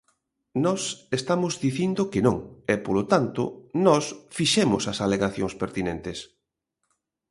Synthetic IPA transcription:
nɔsest̪amʊzðiθind̪okenõŋɛpolot̪ant̪ʊ̰nɔsfiʃɛmʊsɐsaleɣaθjoŋspeɾt̪inent̪es

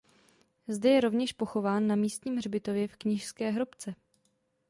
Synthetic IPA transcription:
zdɛjɛɾo̞vɲɛʃpo̞xo̞vaːnːamiːst̪ɲiːmrbɪt̪o̞vjɛfkɲɪʃskɛːɦɾopt͡sɛ

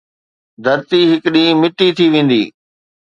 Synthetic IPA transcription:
d̪ʱɐɾt̪iɦɪkɗimɪʈit̪ʰiʋẽːn̆d̪iː

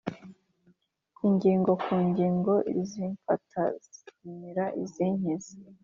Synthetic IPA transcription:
kʰuːɲɟiːŋɡo̞kʰuːɲɟiːŋɡo̞iziɱfatʰaz̥itumiɾaʔiziːɲ̥ezi

